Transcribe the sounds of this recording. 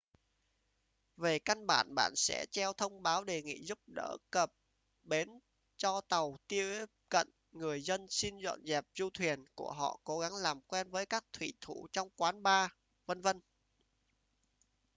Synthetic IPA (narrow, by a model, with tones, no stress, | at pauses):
ve˨˩ka˧nɓa̰ː˧˩nɓa̰ː˧˨nsɛ̰˧˥t͡ɕɛ˧wt̪ʰə˧wŋ͡mɓaː˨˦wɗe˨˩ŋḭ˧˨zu˦˥p̚ɗə̰ː˧˥kə˨˩p̚ | ɓe˨˦n | t͡ɕɔ˧t̪ə˨˩wt̪i˧əe˦p̚kə̰˧˨n | ŋɨ˨˩əjzə˧nsi˧nzwə̰˧˨nzɛ˨˩p̚zu˧t̪ʰwi˨˩ənku˧˩əɦɔ̰˧˨ko˨˦ɣa˨˦ŋlaː˨˩mkwɛ˧nvəː˨˦jkaː˦˥k̚t̪ʰwḭ˧˨t̪ʰu˧˩t͡ɕɔ˧wŋ͡mkwaː˨˦nɓaː˧ | və˧nvə˧n